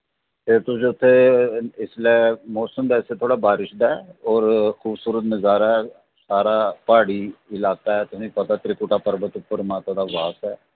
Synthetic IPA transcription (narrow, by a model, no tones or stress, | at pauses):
p̪eːt̪ʊsʊt̪ʰːeːɪslɛmɔːsəmd̪ɛːset̪ʰoːɽaːbaːɾɪʃd̪aɛːɔːɾxʰuːbsuːɾət̪mɪzaːɾɛː | saːɾaːpaːɽiːɪlaːkaːɦɛːt̪ʊsĩːkɔt̪aːt̪ɾɪkʊʈaːpəɾbət̪ʊpːəɾmãːt̪aːd̪aːʋaːsɛː